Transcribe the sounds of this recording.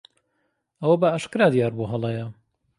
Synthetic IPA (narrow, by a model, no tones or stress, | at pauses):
ʔɐwɐbɐʔaʃkɾaːd̪jaːɾbuɦɐlˠɐjɐ